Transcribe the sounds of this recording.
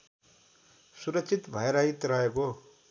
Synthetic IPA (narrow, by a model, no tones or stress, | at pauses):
suɾʌksʰit̪bʱʌeɾʌit̪rʌeko